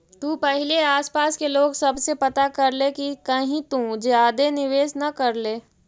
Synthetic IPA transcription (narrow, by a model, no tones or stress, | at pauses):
t̪ũːpɛɦɪleaːspaːskeloːɡsɐbsepɐt̪akɐɾlekikɐɦĩt̪ũd͡ʒaːd̪enɪʋeːsnɐkɐɾleː